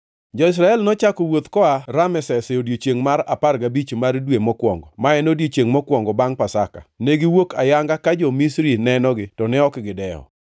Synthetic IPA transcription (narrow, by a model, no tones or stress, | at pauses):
d͡ʒɔɪs̬ɾaɛlnɔt͡ʃakɔwot̪kɔaɾamɛsɛsɪodjet͡ʃeŋmaɾa̰parɡabit͡ʃmardwemɔkwɔŋɡɔmaɛnodjet͡ʃeŋmɔkwɔŋɡɔbaŋpasaka̰neɡɪwokajaŋɡakad͡ʒɔmisɾinɛnɔɡɪtɔnɛɔkɡɪdɛɔ̰